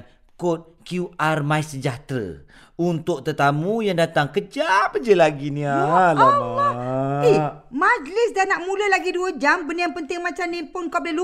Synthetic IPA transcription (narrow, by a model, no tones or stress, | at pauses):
kot̪̚kjuarmaisəd͡ʒat̪ɾə̰ | unt̪ʊk̚t̪ət̪amujaŋdat̪aŋkəd͡ʒapəd͡ʒəlaɡinĩalama | mãd͡ʒlɪsdanaʔmũləlaɡiduəd͡ʒambənjaŋpənt̪ɪŋmãt͡ʃamnĩpʊnkap̚lɪlu